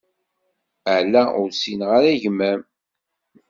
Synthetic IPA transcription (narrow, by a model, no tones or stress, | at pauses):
əʕlæʊɾsinʁaɾæʝmːæm